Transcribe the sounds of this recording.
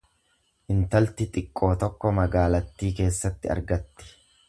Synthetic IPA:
ʔɪnt̪ɐlt̪ɪt̪ʼɪkʼːo̞ːt̪ɔkːɔmɐɡaːlɐt̪ːiːke̞ːsːɐt̪ːɪɐ̰ɾɡɐt̪ːɪ̥

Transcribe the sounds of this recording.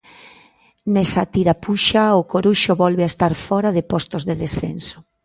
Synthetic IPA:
nɛsat̪iɾapuʃaʊkoɾuʃʊβɔlβeaest̪aɾfɔɾaðɪpɔst̪ozðeðesθḛnso̥

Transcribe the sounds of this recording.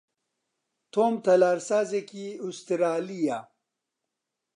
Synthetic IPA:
t̪ʰoːmt̪ɐlaːɾsaːzekiust̪iɾaːlija

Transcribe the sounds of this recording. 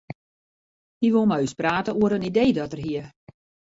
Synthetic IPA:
hiʋolˠmajyspraːtəuəɾənideːdɔtərɦiə

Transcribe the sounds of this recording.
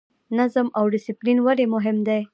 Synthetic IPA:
nazəmawɖɪsiplinwaɾemʊɦɪmd̪aj

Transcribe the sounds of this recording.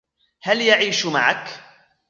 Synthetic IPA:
haljaʕiːʃmaʕak

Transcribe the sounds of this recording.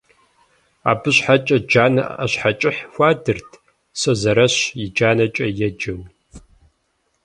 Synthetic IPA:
a̰ːbɨɕħat͡ʃʼɐd͡ʒaːnɐ̰ʔɐɕħat͡ʃʼɪħxʷaːdɨrtʰ | sɐzɐɾɐɕjɪd͡ʒaːnɐt͡ʃʼɐjɛd͡ʒɨw

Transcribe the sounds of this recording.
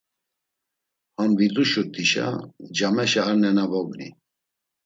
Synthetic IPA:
hambid̪uʃut̪ʰiʃa̰d͡ʒamɛʃɛaɾnɛnabɔɡnḭ

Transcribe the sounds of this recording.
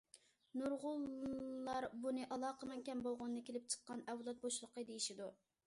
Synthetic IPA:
nuɾʁʊlˠːɑɾbunɨʔɑlˠɑːqʰəmɛŋkʲɛmbolˠʁʊnɨːɨkʲelɪp̚t͡ʃʰə̥qːɑnɛwlˠɑt̪̚boʃlˠəqəd̪ejiʃid̪u

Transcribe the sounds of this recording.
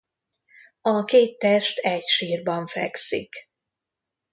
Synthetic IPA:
ɒkeːt̪ːɛʃt̪ɛcʃiːrbɒɱfɛ̰ksḭk

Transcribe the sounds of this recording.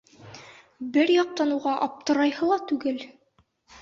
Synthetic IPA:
bɘɾjɒq̚t̪ɑnuʁɑʔɒp̚t̪ɤ̆ɾɑjhɤlˠɑt̪ʉɡɘl

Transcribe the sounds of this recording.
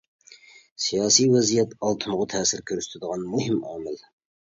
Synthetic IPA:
sijɑːsijwɛzijɛt̪ɑlˠt̪ʰɨmʊʁʊt̪ʰɛːsɪɾkʲʰøɾst̪ʰɪd̪əʁɑnmuhɪmɑ̰ːmɪl

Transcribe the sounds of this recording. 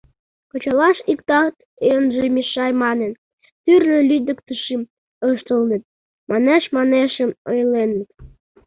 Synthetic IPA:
kŏt͡ɕɑlɑʃikt̪ɑt̪ | eənʒemiʃɑjmɑnen | t̪yrlĕlyd̪ə̆kt̪əʃim | əʃt̪əlnə̆t̪̚ | mɑneʃmɑneʃəmojlenːət̪

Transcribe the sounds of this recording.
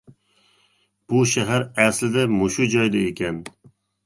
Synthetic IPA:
b̥ʊʃæɦæɾæslɪd̪ɛmʊʃud͡ʒɒjd̪ɛekʲɛn

